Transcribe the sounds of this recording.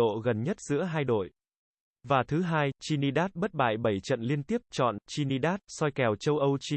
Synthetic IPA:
o̰˧˨ɣə˨˩nɲə˦˥t̚z̥ɨ̰˧˥əɦaː˧jɗo̰˧˨j | vaː˨˩t̪ʰɨ˨˦ɦaː˧jt͡ɕi˧ni˧ɗaː˦˥t̚ɓə˦˥t̚ɓa̰ː˧˨jɓə˧˩jt͡ɕə̰˧˨nli˧ənt̪i˦˥əp̚t͡ɕɔ̰˧˨nt͡ɕi˧ni˧ɗaː˦˥t̚sɔ˧jkɛ˨˩wt͡ɕə˧wʔə˧wt͡ɕi˧

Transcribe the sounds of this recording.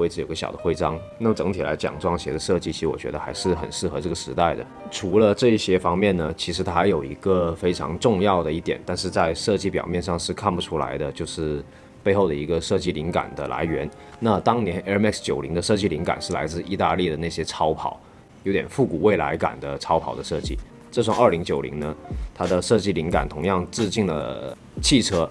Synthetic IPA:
we˥ɪʈ͡ʂɻ̩˥˩jo˨˩ʊɡə˦ɕjɑ̰˨˩ʊd̪ə˦xwe˥ɪʈ͡ʂɑ˥ŋ | na˥˩mə˩ʈ͡ʂɤ˧˥ŋt̪ʰi˨˩la̰˧˥ɪt͡ɕjɑ̰˨˩ŋʈ͡ʂwɑ˥ŋɕjɛ̰˧˥d̪ə˧ʂɤ˥˧t͡ɕi˥˩t͡ɕʰi˧˥ʂɻ̩˧wɔ̰˨˩t͡ɕɥɛ̰˧˥ə˧xa˧˥ɪʂɻ̩˥˩xə̰˨˩nʂɻ̩˥˩xɤ˧˥ʈ͡ʂɤ˥˩ɡə˩ʂɻ̩˧˥t̪a˥˩ɪd̪ə̰˩ʈ͡ʂʰu˧˥lə˧ʈ͡ʂɤ˥˧i˥˩ɕjɛ˥fɑ˥ŋmjɛ˥˩nnə˩t͡ɕʰi˧˥ʂɻ̩˧˥t̪ʰa˥xa˧ɪjo˨˩ʊi˧˥ɡə˧fe˥ɪʈ͡ʂʰɑ̰˧˥ŋʈ͡ʂʊ˥˧ŋjɑ˥˩ʊd̪ə˩i˥˩t̪jɛ˨˩˦nt̪a˥˧nʂ̬ɻ̩˥˧t͡sa˥˧ɪʂɤ˥˧t͡ɕi˥˩p̬jɑ˨˩ʊmjɛ˥˧nʂɑ˥˧ŋʂɻ̩˥˧kʰa˥˩npu˨˩ʈ͡ʂʰu˥la̰˧˥ɪd̪ə˧t͡ɕjo˥˧ʊʂɻ̩˥˩ | pe˥˧ɪxo˥˩ʊd̪ə˩i˧˥ɡə˧ʂɤ˥˧t͡ɕi˥˩li˧˥ŋka̰˨˩nd̪ə̰˦la̰˧˥ɪɥɛ˧˥n | na˥˩t̪ɑ˥ŋnjɛ˧˥nɛ˥mɛ˥˩kst͡ɕjo˨˩ʊli˧˥ŋd̪ə˧ʂɤ˥˧t͡ɕi˥˩li˧˥ŋka̰˨˩nʂɻ̩˥˩la˧˥ɪt͡sɹ̩˥˧i˥˧t̪a˥˧li˥˩d̪ə˩na˥˩ɕjɛ˥ʈ͡ʂʰɑ˥ʊpʰɑ̰˨˩˦ʊ | jo˧˥ʊt̪jɛ˨˩nfu˥˩ku˨˩we˥˩ɪla̰˧˥ɪka̰˨˩nd̪ə˦ʈ͡ʂʰɑ˥ʊpʰɑ˨˩ʊd̪ə˦ʂɤ˥˧t͡ɕi˥˩ | ʈ͡ʂɤ˥˧ʂʰwa˥˩ŋə˥˩li˧˥ŋt͡ɕjo˨˩ʊlḭ˧˥ŋnə˧t̪ʰa˥d̪ə˨ʂɤ˥˧t͡ɕi˥˩li˧˥ŋka̰˨˩nt̪ʰʊ˧˥ŋjɑ˥˧ŋt͡sɹ̩˥˧t͡ɕi˥˩ŋdə̰˩ | t͡ɕʰi˥˩ʈ͡ʂʰɤ˥

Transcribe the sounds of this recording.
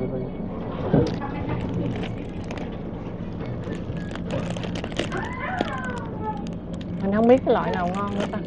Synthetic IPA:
a˨˩˧ | mi̟˨˩hə˧wŋ͡mɓi˦˥t̚kaː˨˧˦lɔ̰˧˨jnaː˨˩wŋɔ˧nlɨ̰˧˦əʔ̪aː˧˩

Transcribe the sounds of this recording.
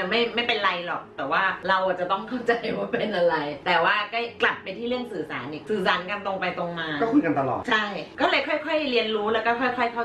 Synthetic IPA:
ma˥˩jma˥˩jpe˧nɾa˧jlɔ˨˩k̚t̪ɛː˨˩waː˥˩ɾa˧wʔa˨˩t͡ɕa˨˩t̪ɔ˥˩ŋkʰa˥˩wt͡ɕa˧jwaː˥˩pe˧nʔa˧ɾa˧jt̪ɛː˨˩waː˥˩ka˥˩jkla˨˩p̚ːa˧jt̪ʰiː˥˩lɯ˥˩əŋsɯː˨˩saː˩˦nʔiː˧˩sɯː˨˩saː˩˦nka˧nt̪o˧ŋpa˧jt̪o˧ŋmaː˧kːɔ˥˩kʰu˧˥˧jka˧nt̪a˧lɔ̰ː˨˩t̪t͡ɕʰa˥˩jkɔː˥˩lɤː˧jkʰɔ˥˩jkʰɔ˥˩jɾi˧ənɾuː˦˥lɛː˦˥wkɔː˥˩kʰɔ˥˩jkʰɔ˥˩jkʰa˥˩

